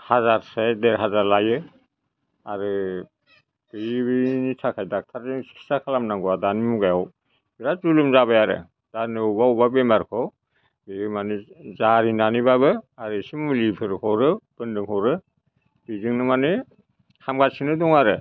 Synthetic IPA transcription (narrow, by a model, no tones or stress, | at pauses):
hazaɾsedeɾɦazaɾlajɯ | a̰ɾɯ | b̥ejbɯnitʰakʰajdak̚tʰaɾisi̥ksakʰalamnaŋɡuwadanimuɡajaw | biɾazulɯmzaβajaɾɯ̰ | d̥anɯubaubabemaɾkʰɔ | bebɯmanɯzaɾinanibabɯaɾɯsimulibʰɯɾhʰɔwɾɯb̥ɯndɯŋhɔwɾɯ | b̥izɯŋnɯmanɯ | kʰamɡatsinɯdɔŋaɾɯ